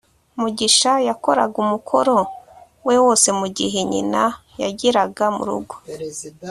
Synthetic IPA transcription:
muɟiʃajako̞ɾa̰ɡumukʰo̞ɾo̞ | we̞wo̞ːse̞muɟiɦeɲḭna | jaɟiɾaɡamṵɾṵɡo̥

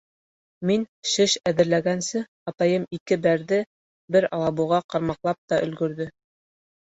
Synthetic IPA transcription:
minʃɘʃæðɘ̆ɾlæɡænsɘ | ɑt̪ɑjɤmikɘbæɾðɘ | bɘɾɑlˠɑbuʁɑqɑɾmɑqlˠɑp̚t̪ɑʔɵ̆lɡɵ̆ɾðɵ

